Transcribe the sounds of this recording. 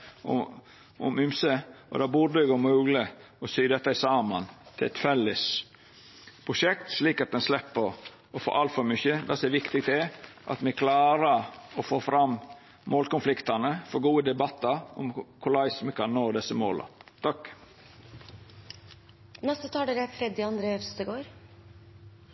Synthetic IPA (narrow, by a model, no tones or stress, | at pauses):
ɔmʉmsəʔɔ̰d̪ɑːbʊd̪ɛɡomʉːɡlə | ɔsyːd̪ɛt̪ːɑɪsɑːmənt̪ʰɪɛt̪fɛlːɪs | pʰɾʊʂɛkt̪ʂliːkɑt̪̚d̪ɛnslɛpːəɾ | ɔfo̰ɾʔɑlt̪fɔɾmʏçəd̪ɑsɛʋɪkt̪ɪɡ̚t̪ʰɪʔɑ̰t̪mɛkʰlɑːɾəɾɔfoːfɾɑm | moːlkʊnflɪkt̪ɑnəfɔɡuːəd̪ɛbɑt̪ːɑɾɔ̰mkʰʊlɑɪsmɛkʰɑnnoːd̪ɛsːəmo̰ːlɑ̰t̪ʰɑkː | nɛst̪ət̪ʰɑːɖəɾæfɾɛd̪ɪɑnd̪ɾeːʋst̪əɡoːɾ